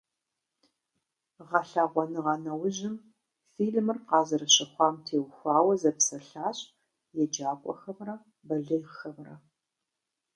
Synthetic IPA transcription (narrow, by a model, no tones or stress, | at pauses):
ʁɐɬaːʁʷɔnɨʁɐnɐwʊʑɪm | fiːɮmɨrqɑːzɐɾɐɕɐχʷɑːmtʰeːwxʷɑːwɐzɐpsɐɬaːɕʼ | jɛd͡ʒaːkʷʼɔ̰xɐmrɐ | bɐɮɨjxɐmrɐ